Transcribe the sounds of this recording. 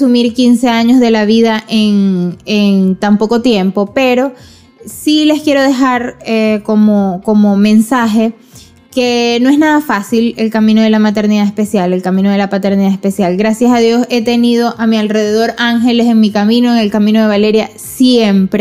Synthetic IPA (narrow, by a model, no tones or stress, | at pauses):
sumiɾkinse̞aɲo̞zðe̞laβiðaʔeŋeŋnt̪ampo̞ko̞t̪je̞mpo̞pe̞ɾo̞ | sile̞skje̞ɾoð̞e̞xaɾeko̞mokomomẽ̞nsaxe̞ | ke̞noe̞znaðafasile̞lkamĩno̞ð̞e̞lamat̪e̞ɾniðaespe̞sjale̞lkamĩno̞ð̞e̞lapat̪e̞ɾniðaespe̞sjalɡɾasjasaðjo̞se̞t̪e̞nið̞o̞ʔamialre̞ðeðo̞ɾaŋxe̞le̞seŋmikamĩnoeŋe̞lkamĩno̞ð̞e̞βale̞ɾja | sjempɾe